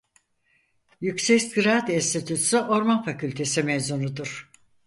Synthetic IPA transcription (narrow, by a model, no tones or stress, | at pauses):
jycsɛcsɡɾat̪ist̪ʰit̪ʰyt̪syʔo̞ɾmanfacylʲt̪ʰe̞simezunud̪uɾ̥